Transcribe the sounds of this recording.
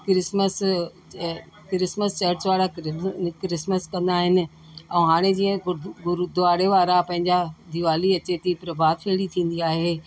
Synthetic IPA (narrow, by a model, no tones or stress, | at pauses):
kɾɪsməs | kɾɪsməst͡ɕɐɾɪt͡ɕʋaːɾakkɾɪsməskɐ̃nd̪aːɦɪnɪ̆ | ɛ̃ːɦaːɽ̃ed͡ʑiːə̃ɡɡʊɾd̪ʊʋaːɽeʋaːɾapɐ̃ɦɪ̃ɲd͡ʑad̪iʋaːliɐt͡ɕet̪ipɾɐbʱaːd̪fʰeːɽit̪ʰĩːn̆d̪iaːɦeː